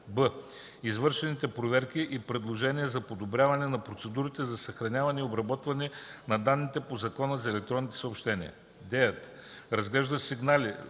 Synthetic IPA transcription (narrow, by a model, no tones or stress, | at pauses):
bə | izvɤɾʃɛnit̪ɛpɾovɛɾkʲiʔipɾɛd̪lˠoʒɛniəzɐpod̪obɾʲjavɐnɛnɐpɾot̪sɛd̪uɾit̪ɛzɐsɐxɾɐnʲavɐnɛiobɾɐbɔt̪vɐnɛnɐd̪anːit̪ɛpozɐkɔnəzɐɛlɛk̚t̪ɾɔnːit̪ɛ̥səopʃt̪ɛnḭə̰ | d̪ɛjət̪ | ɾɐzɡlɛʒd̪əsiɡnalʲi